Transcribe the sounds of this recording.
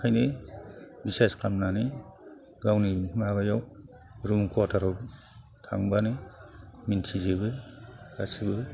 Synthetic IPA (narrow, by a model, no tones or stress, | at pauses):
kʰajne | biseskʰamnani | ɡawnimaɡajaw | ɾumkʰuatʰaɾɔ | tʰa̰ŋbani | mintʰizebɯɾa̰sibɯ